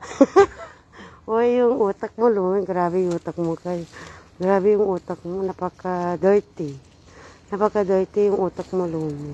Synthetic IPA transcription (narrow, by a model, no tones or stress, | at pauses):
ojjʊŋuːt̪ak̚molumɪɡɾabɪjuːt̪akmokaj | ɡɾaːbɪjʊŋut̪ak̚monapakad̪ojt̪ɪ | napakad̪ojt̪ijʊŋʔut̪akmolumɪ